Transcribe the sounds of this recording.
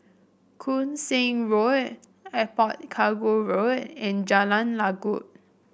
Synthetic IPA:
kʰũnsẽŋɹot | ɛpɔt̚kʰaɡoɹotɛ̃nd͡ʒalãnlaɡṵʔ̚

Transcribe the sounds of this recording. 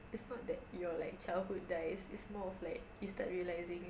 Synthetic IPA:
ɪtsnɔt̚d̪ɛtjɔlaɪk̚t͡ʃalhut̚daɪsɪtsmɔɔflaɪk̚justat̚ɹiəlaɪzɪ̃ŋ

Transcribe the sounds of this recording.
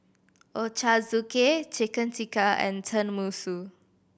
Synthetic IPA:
ʔot͡ʃazuket͡ʃekə̃ntikaɛ̰̃ntʰə̃nmusu

